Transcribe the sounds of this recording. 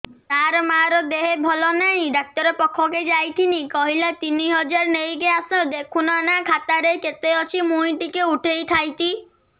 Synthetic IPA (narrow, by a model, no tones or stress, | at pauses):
t̪aɾɔmaɾɔd̪eɦebʱɔlɔnaɦĩɖak̚t̪ɔɾepɔkʰːɔked͡ʒajt̪ʰinikɔɦilat̪iniɦɔd͡ʒaɾnejɡeasɔd̪ekʰunanakʰat̪aɾeket̪eɔt͡ʃʰimuĩʈikeuʈʰejt̪ʰajt̪ʰi